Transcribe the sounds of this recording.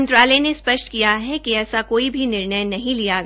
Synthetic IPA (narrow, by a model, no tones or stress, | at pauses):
nt̪ɾaːlenespɐʃʈkijaɦɛkiɛːsakoːibʱinɪɾɳəjnːɐɦĩlijaɡ